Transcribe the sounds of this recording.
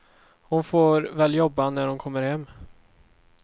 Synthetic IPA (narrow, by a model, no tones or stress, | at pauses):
hʊnfoːɾvɛːljɔbːanæɾhʊnkʰɔmːəɾhɛmː